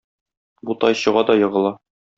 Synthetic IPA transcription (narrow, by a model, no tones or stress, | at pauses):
but̪ɑjɕɤ̆ʁɑd̪ɒjɤ̆ʁɤ̆lˠɑ